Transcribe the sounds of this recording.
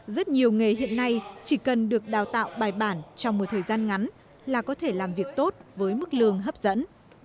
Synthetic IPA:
zə˦˥t̚ɲi˨˩əwŋe˨˩hḭ˧˨ənːa˧jt͡ɕi˧˩kə˨˩nɗɨ˨˩ək̚ɗaː˨˩wt̪a̰ː˧˨wɓaː˨˩jɓaː˧˩nt͡ɕɔ˧wŋ͡mmo˨˩t̚t̪ʰəː˨˩jzaː˧nŋa˨˦n | laː˨˩kɔ˨˦t̪ʰe˧˩laː˨˩mvi˨˩ək̚t̪o˦˥t̚vəː˨˦jmɨ˦˥k̚lɨ˨˩əŋɦə˦˥p̚zə̰˧˥n

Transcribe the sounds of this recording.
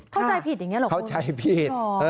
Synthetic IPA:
kʰa˥˩t͡ɕa˧jpʰi˨˩ja˨˩ɲi˦˥lːkʰa˥wt͡ɕʰa˦˥jpʰi˨˩t̚ː

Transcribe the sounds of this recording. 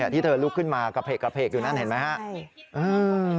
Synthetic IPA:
a˧˩t̪ʰiː˥˩ɤː˧lu˦˥kʰːɯ˥˩nmaː˧ka˧˩pʰeː˨˩kːa˧pʰeː˨˩k̚juː˨˩na˥˩nhe˩˦nma˦˥jha˦˥ʔʔɯː˧

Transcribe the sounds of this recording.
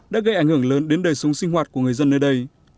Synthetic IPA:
ɗaː˨˦˥ɣə˧jʔa˧˩jŋ̟hɨ˧˩əŋləː˨˦nɗe˨˦nɗəː˨˩jsʊ˨˦ŋ͡mŋsï˧ŋ̟ɦwaː˨˩t̚ku˧˩əŋɨ˨˩əjzə˧nːəː˧jɗə˧j

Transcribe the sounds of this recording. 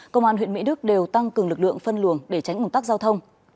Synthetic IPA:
kə˧wŋ͡mʔaː˧nɦwḭ˧˨əmḭ˧˥ɗɨ˦˥k̚ɗe˨˩wt̪a˧ŋkɨ˨˩əŋlɨ˨˩k̚lɨ̰˧˨əŋfə˧nlɨ˧˩əŋɗe˧˩t͡ɕa˨˦jkə˧wŋ͡mt̪ːk̚zaː˧wt̪ʰə˧wŋ͡m

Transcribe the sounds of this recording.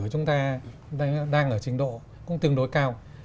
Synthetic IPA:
ət͡ɕʊ˨˦ŋ͡mt̪aː˧ | ɗaː˧ŋʔəː˧˩t͡ɕï˧˩ŋ̟ɗo̰˧˨ | kʊ̰˧˥ŋ͡mt̪ɨ˧əŋɗo˧˦jkaː˧w

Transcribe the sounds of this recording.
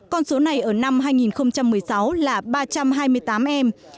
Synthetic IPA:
kɔ˧nso˨˦na˨˩jʔəː˧˩na˧mɦaː˧jŋi˨˩nxə˧wŋ͡mt͡ɕa˧mːɨ˨˩əjsa˨˦wlaː˨˩ɓaː˧t͡ɕa˧mɦaː˧jmɨ˧əjt̪aː˨˦mʔɛ˧m

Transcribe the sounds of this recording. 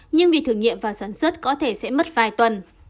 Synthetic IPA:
ɲɨ˧ŋvi˨˩t̪ʰɨ˧˩əŋḭ˧˨mvaː˨˩saː˧˩nswə˦˥t̚kɔ˨˦t̪ʰe˧˩sɛ̰˧˥mə˦˥t̚vaː˨˩jt̪wə˨˩n

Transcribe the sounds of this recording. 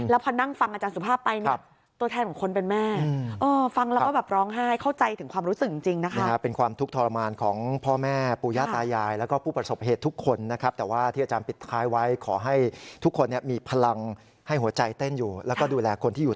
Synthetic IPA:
lɛː˦˥wpʰɔː˧na˥˩ŋfa˧ŋʔa˧t͡ɕaː˧nsu˨˩pʰaː˥˩pːa˧jnia˩˦˩p̚ | t̪u˧t̪ʰːnkɔ˩˦ŋkʰo˧npe˧nmɛː˥˩˧ʔɤː˧fa˧ŋlɛː˦˥kɔː˥˩bɛː˨˩p̚ɾɔː˦˥ŋɦa˥˩jkʰa˥˩wt͡ɕa˧jt̪ʰɯ˩˦kwaː˧mɾuː˦˥sɯ˨˩k̚t͡ɕi˧ŋt͡ɕi˧ŋna˦˥kʰn˦a˦˥kʰa˦˥pːe˧nkʰwaː˧mt̪ʰu˦˥k̚t̪ʰɔː˧la˧maː˧nkʰɔː˩˦ŋpʰɔː˥˩mɛː˥˩puː˧jaː˥˩t̪ːaː˧jːaː˧jlɛː˦˥wkɔː˥˩pʰuː˥˩pɾa˧so˨˩p̚ɦeː˨˩t̪ʰːu˦˥kʰːo˧nːa˦˥kʰa˦˥p̚t̪ɛː˨˩waː˥˩t̪ʰi˥˩ʔaː˧t͡ɕaː˧npi˨˩t̪ʰaː˦˥jwa˦˥jkʰɔː˩˦ɦa˥˩jt̪ʰu˦˥kʰːo˧nːi˥˩ɐmiː˧pʰa˧la˧ŋ | ha˥˩jɦu˩˦ɐt͡ɕa˧jt̪e˥˩njuː˨˩lɛː˦˥wkɔː˥˩duː˧lɛː˧kʰo˧nt̪ʰiː˥˩ju˨˩

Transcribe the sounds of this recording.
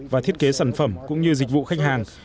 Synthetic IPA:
vaː˨˩t̪ʰi˦˥ət̚ke˨˦saː˧˩nfə˧˩mkʊ̰˧˥ŋ͡mɲɨ˧zï˨˩k̟̚vṵ˧˨xa˦˥jk̚haː˨˩ŋ

